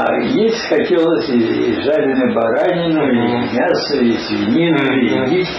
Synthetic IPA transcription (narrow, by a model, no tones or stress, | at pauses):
jesʲtʲxɐtʲelˠəsʲiʐalʲɪnɨbɐɾanʲɪnoimʲasəizvʲinʲinʊiɡʲitʲ